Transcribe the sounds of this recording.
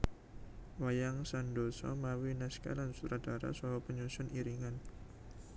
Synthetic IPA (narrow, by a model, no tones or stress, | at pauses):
wajaŋsandosɔ̰mawinɛska̰lansut̪ɾadaɾa̰sɔɦɔpəɲusʊniɾiŋan